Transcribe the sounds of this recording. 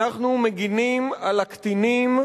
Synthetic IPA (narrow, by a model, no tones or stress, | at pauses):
aχnumeɡinimalakt̪inim